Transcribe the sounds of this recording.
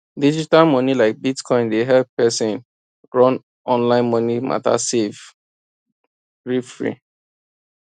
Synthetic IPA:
did͡ʒitalmɔnilaɪk̚bitkʰɔ̃ɪ̃ndeɦɛlppɛsĩn | ɹɔ̃n | ɔ̃nlãɪ̃nmɔnimʔa̰ta̰sev | ɹifɹḭ

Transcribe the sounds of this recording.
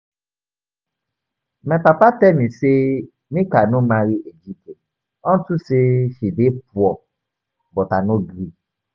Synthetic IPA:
mɛ̃papatɛmĩse | mĩkanʊ̃mãɾiʔed͡ʒipte | ɔ̃ntuseʃidep̚uɔ | bɔtanõɡɾi

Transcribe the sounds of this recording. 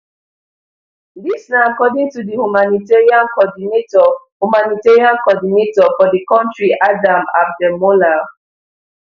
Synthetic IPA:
disnaakɔdɪ̃ŋtudihumaniteɹiãnkɔdinetɔ | humaniteɹiãnkɔdinetɔfɔdikɔ̃ntɹiʔadama̰b̚dɛmola

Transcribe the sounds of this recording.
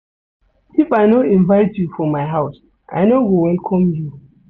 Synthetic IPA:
ifaɪnoĩnvaɪtʰjufɔmaɪɦaʊs | ʔa̰ɪnowiwɛlkʰɔ̃mju

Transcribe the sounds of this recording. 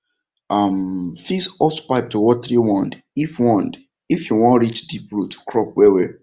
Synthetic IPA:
amfisɔspaɪp̚tuwɔt̚t̪ɾiwɔ̃nd | ifwɔ̃nd | ifjuwɔ̃nɹit͡ʃdip̚ɹutʰu̥kɹɔp̚wɛwɛ

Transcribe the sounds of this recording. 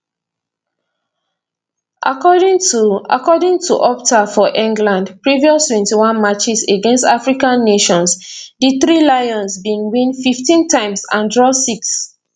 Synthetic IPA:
ʔa̰kɔdĩŋtua̰kɔdĩŋtʰuʔɔptafɔʔĩŋɡlãndpɹiviɔstwɛ̃ntiwãnmat͡ʃiseɡɛ̃nstafɹikãnːeʃɔ̃nsdiθɹilajɔ̃nsbĩŋwĩnfiftĩntãɪ̃msãndɹɔsiks

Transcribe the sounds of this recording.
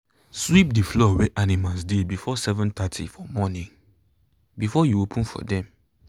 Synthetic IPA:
swip̚diflɔwɛʔanimalsdebifɔsɛvɔ̃nt̪atʰḭfɔmɔnĩŋ | bifɔjuopʰũnfɔ̰dɛ̃m

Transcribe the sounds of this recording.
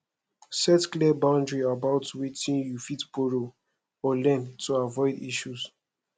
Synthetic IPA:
sɛtklɛbãʊ̃ndɹiabaʊtwetĩnjufitboɹo | ɔlɛ̃ntʰuavɔɪdḭʃus

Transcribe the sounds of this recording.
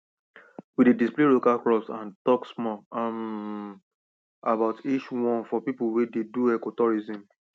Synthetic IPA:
widedispleɹokakɹɔpsãntɔksmɔam | abaʊtʰit͡ʃwɔ̃nfɔpipulwededuɛkotɔɹizĩm

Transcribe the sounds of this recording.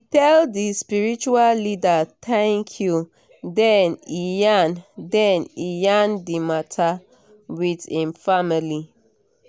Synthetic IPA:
tɛldispiɹit͡ʃuallidat̪ʰɛ̃ŋkʰju | dɛnijãndɛ̃nijãndimatʰa | widĩnfamili

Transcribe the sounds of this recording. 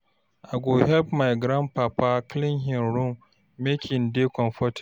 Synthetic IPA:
ʔaɡohɛlpmajɡɾampapaklɪŋɦɪnɾumː | ekʰʲɪndekɔmfɔtʰɪ̥

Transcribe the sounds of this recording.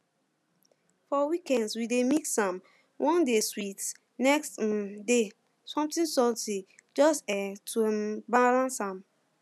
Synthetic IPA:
fɔwikɛ̃ndswidemiksãm | wʔɔ̃ndeswit | nɛkstde | sɔ̃mtĩnsɔltid͡ʒɔstɛtʰuɛbalãnsãm

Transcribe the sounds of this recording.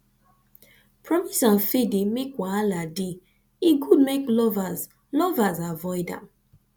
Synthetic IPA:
pʰɹɔmisãnfidimekwaaladi | iɡud̚meklɔvaz | lɔvazavɔɪdã̰m

